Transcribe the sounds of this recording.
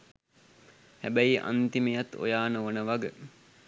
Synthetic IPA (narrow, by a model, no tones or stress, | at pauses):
hæbæjiʔa̰nt̪imejat̪o̰jaːnəʋonəʋaɡə